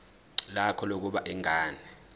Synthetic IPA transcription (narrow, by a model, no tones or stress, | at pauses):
lakʰɔlok̬uɓaʔɛŋaːnɛ